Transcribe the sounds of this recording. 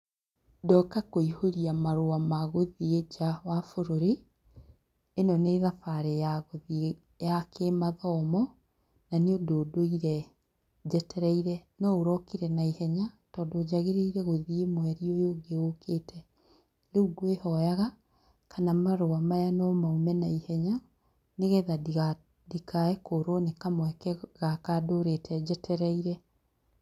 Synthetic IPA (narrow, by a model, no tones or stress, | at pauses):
dɔkakoihoɾiamaɾoamaɣoðied͡ʒawafoɾoɾe | enɔneðafaɾejaɣoði | jakʰemaðɔmɔ | naneodoːdoiɾɛ | d͡ʑɛtɛɾɛiɾɛnɔoɾɔkiɾɛnaihɛɲatɔːdoːd͡ʒaɣeɾeiɾɛɣoðiemwɛɾiojoːɡeokʰeːtʰɛ | leuɡoehɔjaɣa | kʰanamaɾoamajanɔmaumɛnaihɛɲa | neɣɛðada | dikʰaɛkoɾonekamwɛkɛɣakadoɾetʰɛd͡ʑɛtʰɛɾɛiɾɛ